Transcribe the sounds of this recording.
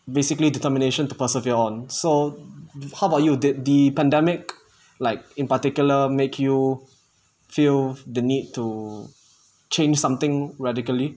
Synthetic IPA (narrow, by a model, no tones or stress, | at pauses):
besɪkliditəmineʃə̃ntupəsiviəɔ̃nso | hawajudidipɛ̃ndɛmɪk | laɪk̚ɪ̃npətikjuləmekʰju | fild̪ənid̚tu | t͡ʃẽnd͡ʒsãmt̪ɪ̃ŋɹadɪkəli